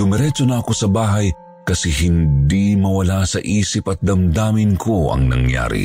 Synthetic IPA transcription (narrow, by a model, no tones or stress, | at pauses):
ʊmɛɾɛt͡ʃonɐɐko̞sɐbaːɦɐj | kɐsɛɦɪnd̪imɐwɐlasɐʔiːsɪpɐt̪̚d̪ɐmd̪aːmɪnkʰoɐ̰ŋnɐ̰ŋja̰ːɾḭ